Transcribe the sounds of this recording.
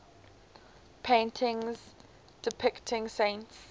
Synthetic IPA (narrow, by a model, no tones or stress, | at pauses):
pʰẽɪ̃ntʰɪ̃ŋz | d̥ɪpʰɪktʰɪ̃ŋsẽɪ̃nts